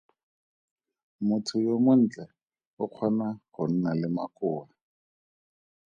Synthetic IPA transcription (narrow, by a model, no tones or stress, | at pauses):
mʊtʰʊjomʊn̩t͡ɬʼɛ | ʊq͡χʰwanaχʊn̩nalɪma̰kʼʊːa